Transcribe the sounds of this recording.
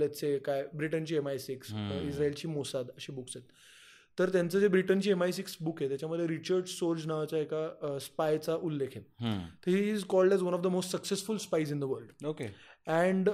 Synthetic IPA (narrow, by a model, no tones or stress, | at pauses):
at̪t͡sekajbɾiʈənt͡ɕiːemajsiksisɾaelt͡ɕiːmosad̪əɕiːbuksɦet̪ | t̪ːəɾt̪jant͡səd͡zebɾiʈənt͡ɕiːemajsiksbukɦet̪jat͡ɕjaməd̪ʱːjeɾit͡ɕəɾɖsoɾd͡ʑnaʋat͡ɕaekaspajt͡saʔulːekʰet̪ɦt̪əɾɦiːzkɔlɖɛzʋənɔfd̪əmosʈsəksesfulspajzind̪əʋəɾɖokeɛ̃ɳɖ